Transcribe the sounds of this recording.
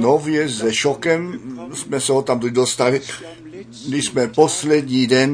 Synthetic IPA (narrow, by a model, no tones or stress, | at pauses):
novjɛzɛʃokɛmsmɛsɛɦot̪amt̪ud̪ost̪alɪ | dɪsmɛposlɛd̪ɲiːdɛn